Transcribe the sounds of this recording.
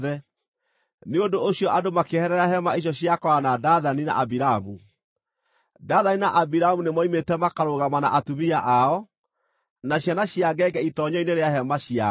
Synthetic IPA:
ðɛ | neondooɕjɔʔadomakehɛɾɛɾaɦɛmaeɕ̬ɔɕiakɔanadaðanina̰ʔabiɾamu | daːðaninaʔabiɾamunemɔimetɛmakaɾoɣamana̰ʔatumiaʔaɔ | naɕjanaɕiaɡɛɡɛitɔɲɔineɾeahɛmaɕia

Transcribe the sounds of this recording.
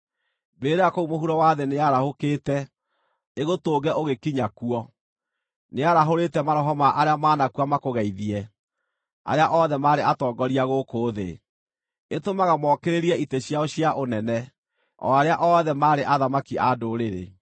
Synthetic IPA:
beːɾeakoumoɦuɾɔwaːðeneaɾahokeːtɛ | eɣotoːɡɛʔoɣekiɲakuɔ | neaɾaɦoɾetɛmaɾɔɦɔmaʔaɾeamaːnakuamakoɣaiðiɛ | a̰ɾeaʔɔðɛmaːɾeʔatɔːɡɔɾiaɣokoːðḛ | etomaɣamɔkeɾeɾiɛiteɕjaoɕiaʔonɛnɛ | ɔ̰aɾeaʔɔðɛmaːɾeʔaðamakiʔadoɾeɾḛ

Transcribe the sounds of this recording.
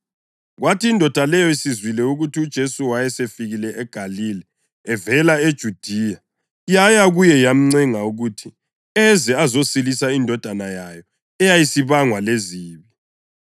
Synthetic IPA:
ɣwʔatʰiːndʱɔd̥ʱalɛjɔisizwilɛuɣutʰiud̥ʒ̥ʱesuwajɛsefiɣilɛʔɛɡ̥ʱalilɛ | ɛvɛlaed̥ʒ̥ʱud̥ʱija | jajaɣujɛjam̩ŋ͡ǀɛŋauɣutʰi | ɛzɛazosilisaindʱɔd̥ʱanajajɔ | ɛjajisiβaŋwaleziːβi

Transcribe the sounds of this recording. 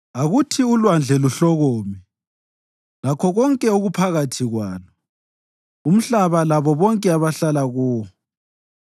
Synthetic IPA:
aɣutʰiulwand͡ɮʱɛluɬɔɣoːmi | lakʰɔɣɔŋkʼɛoɣupʰaɣatʰiɣwaːnɔ | um̩ɬaβalaβɔβɔŋkʼɛaβaɬalaɣuːɔ

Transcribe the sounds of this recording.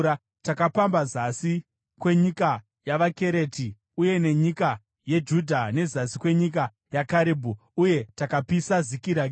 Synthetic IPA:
a | takapambazasi | kwe̞ɲika | jaʋake̞ɾe̞tʰi | uje̞ne̞ɲika | jed͡ʒudʱane̞zasikwe̞ɲik̬a | jakaɾibʱu | uje̞takapisazikiɾaɡ

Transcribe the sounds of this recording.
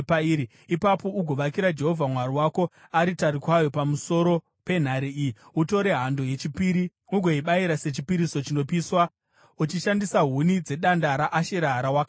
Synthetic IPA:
paiɾi | ipapo̞uɡʱo̞ʋakiɾad͡ʒe̞ɦo̞vʱamwaɾiwako̞aɾitaɾikwajo̞pamuso̞ɾo̞ | pe̞n̤aɾiiiuto̞ɾe̞ɦando̞je̞t͡ʃipiɾi | uɡʱo̞iɓaiɾase̞t͡ʃipiɾiso̞t͡ʃino̞piswa | ut͡ʃiʃandisaɦunid͡ze̞ɗandaɾaʔaʃeɾaɦɾawaka

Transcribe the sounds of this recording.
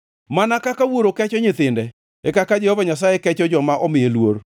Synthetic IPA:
manakakawoɾokɛt͡ʃɔɲɪt̪ɪndɛ | ɛkakad͡ʒɛhɔvaɲas̬ajɛkɛt͡ʃɔd͡ʒɔmaʔɔmɪjelwoɾ

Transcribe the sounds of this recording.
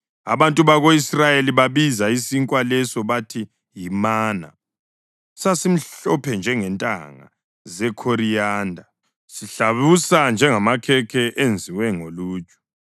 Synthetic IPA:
a̰βantʼuβaɣoisrajeliβaβizaisiŋkʼwalɛsɔβatʰi | jimaːna̰ | sasim̩ɬɔpʰɛnd͡ʒʱɛŋɛntʼa̰ŋa̰ | zɛkʰoɾijaːndʱa | siɬaβusand͡ʒʱɛŋamakʰɛkʰɛʔend͡zʱiwɛŋoluːt͡ʃʼu̥

